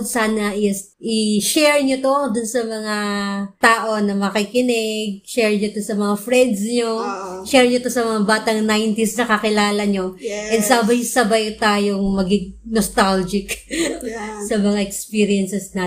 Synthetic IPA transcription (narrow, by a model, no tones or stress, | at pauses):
d̪saːnɐʔɪsʔɪʃɛɹɲot̪od̪ʊnsɐmɐŋat̪aːʔo̞nɐmɐkikɪnɪɡ̚ʃɛɹɲot̪o̞sɐmɐŋafɹɛnd̪̚sɲoʃɛɹɲot̪o̞sɐmɐŋabaːt̪ɐŋnajnt̪isnɐkɐkɪlaːlɐɲo̞ʔɛd̪sabɐjsɐbajt̪aːjoŋmɐɡɪɡ̚nost̪ald͡ʒɪk | sɐmɐŋaʔɛkspiːɾɪɛnsɛsna